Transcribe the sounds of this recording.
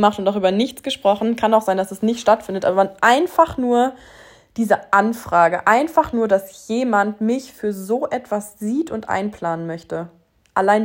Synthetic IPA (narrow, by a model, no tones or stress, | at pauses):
maχtʊntaʊxʔyːbɐnɪçt͡sɡ̥əʃpʁ̥ɔχn̩kʰanaʊxz̥aɪndasɛsnɪçtʃtatfɪndətʔaːbɐvanʔaɪnfaχnuːɐ | d̥iːzəʔanfʁ̥aːɡəʔaɪnfaχnuːɐdasjeːmantmɪçfyːɐzoːʔɛtv̥asz̥iːtʰʊntʔa̰ɪnpʰl̥aːnənmœçtə | ʔalaɪn